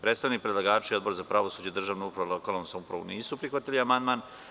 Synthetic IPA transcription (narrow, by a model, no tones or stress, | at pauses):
pɾet̪st̪aʋnik̚pɾed̪laɡaːt͡ʃio̞d̪bo̞ɾzapɾaʋo̞suːd͡ʑeid̪rʒaːʋnoupɾaʋolˠokalonsamupɾa̰ʋo̰niːsupɾixʋat̪iliamand̪maːn